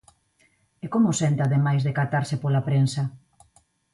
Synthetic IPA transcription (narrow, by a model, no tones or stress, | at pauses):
ekomʊsent̪aðemajzðekat̪aɾsepolapɾensɐ